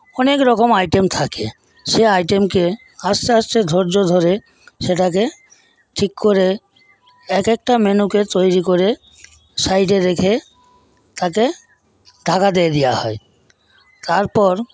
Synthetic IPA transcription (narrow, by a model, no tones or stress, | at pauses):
ɔnekɾɔkomajʈemt̪ʰakḛ | ʃeajʈemke | asasted̪ʱoɾd͡ʑod̪ʱoɾe | ʃeʈak̬e | ʈʰikːoɾe | ɛkek̚ʈamenuket̪ojɾikoɾe | sajʈeɾekʰe | t̪ake | ɖ̪ʱakad̪eed̪ija̰ɦɔe | t̪aɾpɔɾ